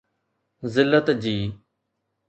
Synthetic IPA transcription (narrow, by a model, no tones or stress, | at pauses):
zɪlːət̪d͡ʑiː